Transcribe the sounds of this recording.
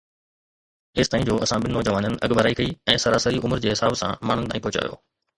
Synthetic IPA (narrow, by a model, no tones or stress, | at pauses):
ɪst̪aːĩnd͡ʑoːɐsãɓɪnːoːd͡ʑɐʋaːnənɪ̆ʔɐɠbəɾaːikɐiɛ̃ːsɐɾaːsəɾiʔʊməɾd͡ʑeːɦɪsaːbsã̰maːn̤ənɪt̪ãːĩːpɔɦt͡ɕa̰ːjo̰ː